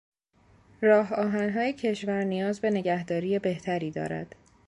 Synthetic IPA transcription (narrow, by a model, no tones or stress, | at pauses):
ɾɒːɦɒːɦænɦɒːjecʰe̞ʃvæɾnijɒːzbe̞ne̞ɟæhd̪ɒːɾiːjebe̞ht̪ʰæɾiːd̪ɒ̰ːɾæ̰d̪̥